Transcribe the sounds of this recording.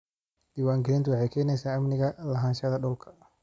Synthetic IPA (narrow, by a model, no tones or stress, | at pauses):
d̪̥iːwaːŋkʰɪɾɪːnt̪ʰʊwɑħɑjkʰɛːnɛjsaːɐmnɪɣɐlɐɦaːnʃɐðɐɖʊlkʰɐ̥